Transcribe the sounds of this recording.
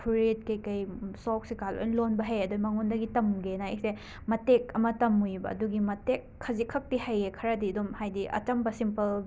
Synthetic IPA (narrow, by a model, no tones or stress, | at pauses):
pʰuɾit̚kɐjkɐjsɔk̚sikalo̰jnlonbɐɦejɐdumɐŋondɐɡitɐmɡenaḛk̚se | mɐtek̚ɐmɐtɐmujbɐ̰ɐ̰duɡimɐtekʰːɐzikʰɐk̚tihajekʰɐɾɐdiɐdumhajdiʔɐ̰t͡ʃɐmbɐsimpɐl